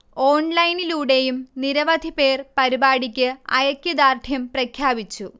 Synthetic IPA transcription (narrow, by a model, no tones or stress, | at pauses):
o̞ːɳlɐjniluːɽe̞jumniɾɐʋɐd̪ʱipe̞ːrpɐɾibaːɽikʲːɨɐ̰jɐkʲːid̪aːrd̪ʰʱjɐmprɐkʰjaːbit͡ɕːu